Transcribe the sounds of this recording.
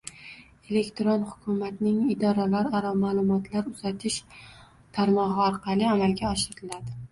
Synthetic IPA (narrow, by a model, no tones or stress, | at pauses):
e̞le̞kt̪ɾonhʊkʰʲʊmat̪nɪŋɪd̪ɒɾalaɾaɾɒmaːlˠʊmɒt̪ʰlaɾʊzat̪ʰɪʃ | t̪ʰaɾmɒʁɨɒɾqʰɑlɪamalɡʲaɒʃɪɾat̪ʰɪlad̪ɪ